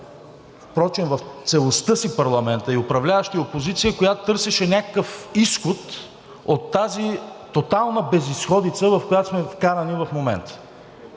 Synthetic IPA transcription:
fpɾɔt͡ʃɛnvɐft̪sɛlˠost̪ɤsipɐɾlˠɐmɛnt̪əiʊpɾɐvlʲavəʃt̪iopozit̪sijəkojat̪ʊ̥t̪ɤɾsɛʃɛnʲakəkəfisxot̪ | ot̪ːazit̪ot̪alˠnəbɛzisxɔd̪it̪səvɐfkojat̪osmɛfkanɐnivɐfmomɛnt̪ə̥

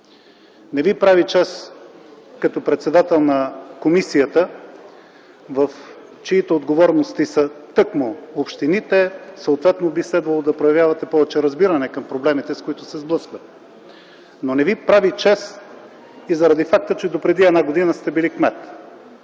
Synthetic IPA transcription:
nɛvipɾavit͡ʃɛs | kɐt̪ɔpɾɛt̪sɛd̪at̪ɛlˠnɐkomisijət̪ə | vəf | t͡ʃɛit̪ɛod̪ɡovɔɾnost̪isət̪ɤkmoopʃt̪init̪ɛsəot̪vɛt̪nobislɛd̪vɐlˠod̪ɐpɾojɐvjavɐt̪ɛpɔvɛt͡ʃɛɾɐzbiɾɐnɛkəmpɾoblɛmit̪ɛskoit̪ʊsɛzblˠɤskvət̪ | nonɛvipɾavit͡ʃɛs | izɐɾɐd̪ifak̚t̪ət͡ʃɛd̪opɾɛd̪iɛd̪naɡod̪inəst̪ɛbilikmɛt̪

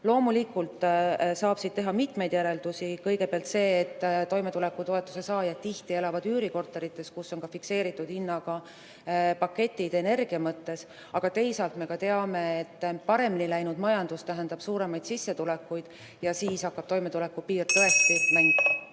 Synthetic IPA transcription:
lo̞ːmulikːult̪ˑsɑːb̥sid̥̪̚t̪e̞ɦɑmit̪me̞jd̪̥jæɾe̞ld̪̥usikɤjɡe̞peɑlt̪se̞ːt̪ːt̪ːo̞jme̞t̪ule̞kːˑut̪o̞e̞t̪ːˑu̥se̞sɑːjɑt̪t̪ːiht̪ie̞lɑvɑd̪yːɾiko̞rt̪ːˑe̞ɾit̪ːˑe̞skusːo̞nkɑfikse̞ːɾit̪ːˑud̪inːɑkɑ | pɑkːe̞t̪ʲːˑid̪̥e̞ne̞rɡ̥iɑmɤt̪ːe̞s | ɑɡ̥ɑt̪e̞jsɑlt̪me̞kɑt̪e̞ɑme̞et̪ːpɑɾe̞minilæjnud̪mɑjɑnd̪̥ust̪æɦænd̪ɑb̥suːɾe̞mɑjd̪̥sisːe̞t̪ule̞kːujd̪̥ | jɑsiːsɑkːɑb̥t̪o̞jme̞t̪ule̞kːˑupiːrt̪ːɤe̞t̪ːimæŋɡ̥̪

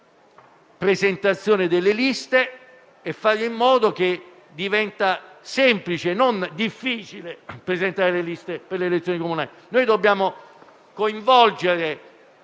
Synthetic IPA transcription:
pɾezent̪at̪sːjoːned̪elːelist̪eː | fːaɾimːɔːd̪ok̟e | d̪ivɛnt̪asɛmplit͡ʃenond̪ifːiːt͡ʃilepɾezent̪aːɾelelist̪eperleːlet̪sjoːnikomunaːlinoːjd̪obːjaːmo | koiɱvɔld͡ʒeɾe

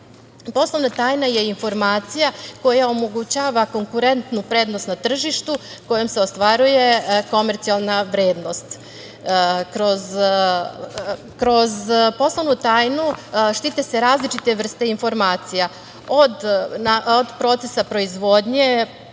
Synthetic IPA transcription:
po̞slˠo̞ʋnat̪aːjnaje̞info̞ɾmaːt̪sijako̞jaomo̞ɡut͡ɕaːʋako̞ŋkuɾe̞nt̪nupɾe̞ːd̪no̞st̪nat̪r̩ʒiʃt̪u | ko̞jomse̞ost̪ʋaɾuje̞ko̞meɾt̪sialˠnaʋɾeːd̪no̞st̪ | kɾo̞z | kɾo̞zpo̞slˠo̞ʋnut̪aːjnuʃt̪it̪ese̞ɾaːzlit͡ʃit̪e̞ʋr̩st̪e̞info̞ɾmaːt̪sija | od̪naod̪pɾo̞t̪se̞sapɾo̞izʋo̞d̪ɲe

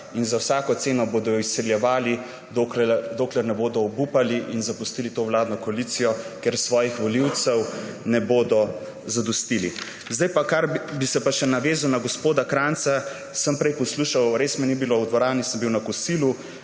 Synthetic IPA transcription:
inzawsaːkɔt̪seːnɔboːd̪ɔjɔisɛljɛʋaːli | d̪okɛd̪oːklɛɾnɛboːd̪ɔɔbupaliʔinzapust̪iːlit̪oːwlaːd̪nɔkɔalit̪sijɔkeɾsʋɔːjixʋɔliwt̪sɛw | nɛboːd̪ɔ | zad̪ust̪ili | zd̪ajpakaɾbisɛpaʃɛnaʋeːzawnaɡospoːd̪akɾant̪sa | səmpɾɛjpɔsluːʃawɾeːsmɛnibilowd̪ʋɔɾaːnisəmbiwnakɔsiːlu

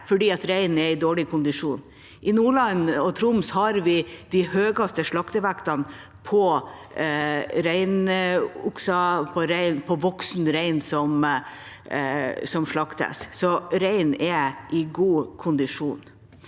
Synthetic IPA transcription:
fɔɖiːɑt̪ɾæɪnɛɪd̪oːɭɪkʰʊnd̪ɪʂuːn | ʔɪnuːɭɑnɔt̪ʰɾʊmshɑɾʋɪd̪̥æhøːɡɑst̪əʂɭɑkt̪əʋækt̪ɑn | pʰɔ | ɾæɪnʊksɑpʰɔɾæɪnpʰɔʋɔksnɾæɪnsɔm | sɔmʂɭɑkt̪ʰɛ̰ssɔɾæɪnɛʔɪɡuːkʰʊnd̪ɪʂuːn

